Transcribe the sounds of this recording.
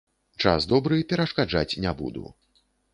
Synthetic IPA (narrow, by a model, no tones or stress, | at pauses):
t͡ʂa̰zd̪ɔbɾɨpʲɛɾɐʂkad͡ʐat͡sʲnʲabṵd̪ṵ